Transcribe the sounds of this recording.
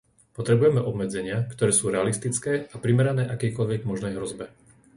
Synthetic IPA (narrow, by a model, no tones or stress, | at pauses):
pɔt̪ɾɛbujɛmɛʔɔbmɛd͡zɛɲɪakt̪ɔɾɛːsuːɾɛalist̪it͡skɛːapɾimɛɾanɛːʔakɛjkɔʎʋɛɡmɔʒnɛjɦɾɔzbɛ